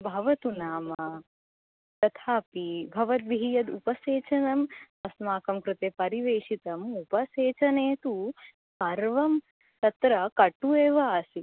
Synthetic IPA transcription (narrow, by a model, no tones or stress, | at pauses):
bʱɐʋɐt̪unaːmɐ | t̪ɐt̪ʰaːpibʱɐʋɐt̪̚biɦijɐd̪upɐseːt͡ʃɐnɐm | ɐsmaːkɐmkɾɨt̪eːpɐɾiʋeːʂit̪ɐmupɐseːt͡ʃɐneːt̪u | pɐɾʋɐm | t̪ɐt̪ɾɐkɐʈueːʋaːsi